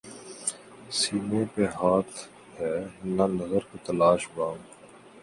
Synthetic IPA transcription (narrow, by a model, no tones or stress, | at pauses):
siːnõpeɦaːt̪ʰ | ɦɛːnɐnɐzəɾket̪ɐlaːʃbaː